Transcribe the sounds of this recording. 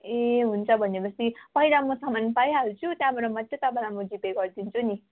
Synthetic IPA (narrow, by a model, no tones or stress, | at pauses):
eɦunt͡sʰʌbʱʌnːebʌst̪ipʌɦilamʌsamanpajɦalt͡sʰut̪jãbʱʌɾomʌt̪jʌt̪abanamʌɡipeɡʌrd̪int͡sʰuni